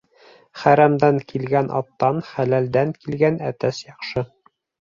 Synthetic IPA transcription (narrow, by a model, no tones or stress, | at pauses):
χæɾæmd̪æŋkilɡænʔɑ̰t̪ːɑnχælæld̪æŋkilɡænæt̪æsjɑqʃɤ